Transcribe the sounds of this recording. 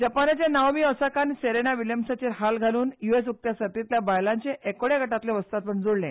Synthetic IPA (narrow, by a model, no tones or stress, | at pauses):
d͡ʑəpanat͡ɕanawmiːɔsakaniseɾeñaʋiljəmsat͡ɕeɾɦalɡʱaluːnjues̬uk̚t̪jasət̪it̪ljabajlãɲt͡ɕeʔekoɽjaɡəʈat̪leʋəst̪at̪̚pəɳd͡zoɽlẽ